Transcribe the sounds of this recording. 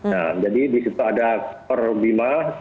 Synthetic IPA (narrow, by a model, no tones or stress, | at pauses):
namd͡ʒadidisit̪uadapərbima